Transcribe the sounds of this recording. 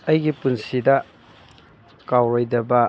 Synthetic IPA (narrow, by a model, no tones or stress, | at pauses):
ɐjɡipunsidɐ | kawɾojdɐbɐ